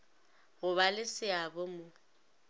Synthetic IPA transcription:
ɣʊbalɪsɪabomʊ

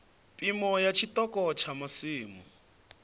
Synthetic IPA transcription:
pʼimɔjat͡ʃʰitɔkʼɔt͡ʃʰamasiːmɔ̰

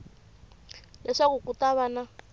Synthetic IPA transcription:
lɛʂakukʼutʼaβana

